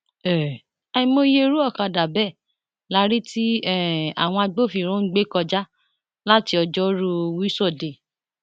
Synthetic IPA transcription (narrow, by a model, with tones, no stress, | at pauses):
ɛ˨ | ɛ˧ĩ˧mo˧je˦˧ɾu˦ɔ˦˨ka˧da˨bɛ˦˨ | la˦ɾi˦ti˦ɛ˦˨a̰˨w̃ɔ̃˧a˧ɡ͡bo˦˨fi˨ɾ̃ũ˦ɡ͡be˦kɔ˧d͡ʒa˦ | la˦ti˧ɔ˧d͡ʒɔ˦ɾu˧wi˦sɔ˦˨de˨